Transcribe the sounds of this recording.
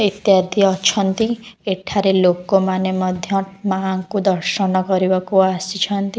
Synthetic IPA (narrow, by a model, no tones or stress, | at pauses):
it̪jad̪ijɔt͡ʃʰɔnt̪ieʈʰaɾelokomanemɔd̪ʱjɔmaŋkud̪ɔɾʃɔnɔkɔɾibakuasit͡ʃʰɔnt̪i